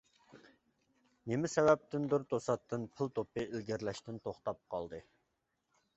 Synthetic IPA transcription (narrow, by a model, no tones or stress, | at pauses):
nemɪsɛvɛp̚t̪ɪnd̪ʊɾt̪osɑt̪ːɨnpʰɨlˠt̪opɨilɡʲɪɾlɛʃt̪ɪnt̪ʰoχt̪ɑp̚qʰɑ̰lˠd̪ɨ